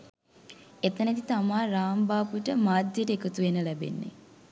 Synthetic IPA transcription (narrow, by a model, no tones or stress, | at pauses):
et̪ənet̪it̪amaːɾaːmbaːpuʈəmaːd̪jəʈəekət̪uʋenːəlæbḛnːḛ